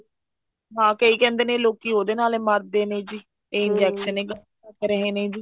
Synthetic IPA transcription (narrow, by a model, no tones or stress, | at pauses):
ɦãːkəiːkɛ̃ːnd̪eːnẽːloːkiːɦoːd̪eːnaːleːməɾd̪eːnẽːd͡ʒiː | eːɪnd͡ʒɛːkʃəneːɡəl | əkɾəɦẽːnẽːd͡ʒiː